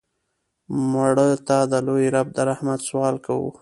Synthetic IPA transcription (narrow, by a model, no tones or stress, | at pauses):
maɽət̪ɑd̪əlojɾab̚d̪əɾahmat̪swɑlkawṵ